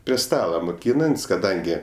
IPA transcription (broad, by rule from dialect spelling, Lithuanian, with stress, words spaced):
pʲrʲiɛ ˈstɑːlˠɐ moːˈkʲiːnɐnʲtʲsʲ kɐˈdɐŋʲɡʲɪ